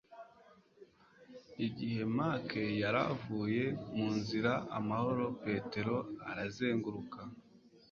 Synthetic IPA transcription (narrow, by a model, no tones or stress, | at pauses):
iɟihe̞maːkʰejaɾa̰vuːje̞muːnziɾaʔamaho̞ɾo̞pe̞ːte̞ɾo̞aɾaze̞ːŋɡuɾuka